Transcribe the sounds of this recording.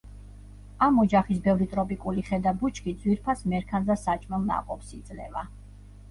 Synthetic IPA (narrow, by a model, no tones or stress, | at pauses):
amɔd͡ʒaχisbɛvɾit̪ʼɾɔpʼikʼuliχɛd̪abut͡ʃʰkʰid̪zwiɾpʰasmɛɾkʰanzasat͡ʃʼmɛlˠna̰qʼɔpsid̪zlɛ̰va